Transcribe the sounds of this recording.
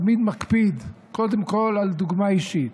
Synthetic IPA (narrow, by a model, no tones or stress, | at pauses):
mid̪makpid̪ | ko̞d̪emko̞lald̪uɡmaiʃit̪